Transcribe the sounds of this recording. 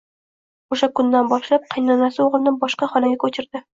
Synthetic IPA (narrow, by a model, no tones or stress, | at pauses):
oʃakʊnd̪anbɒʃlap̚qʰɑjnɒnasɪoʁlˠɪnɪnbɒʃqɑχɒlaɡʲakʰɵt͡ʃʰɪɾd̪̥ɪ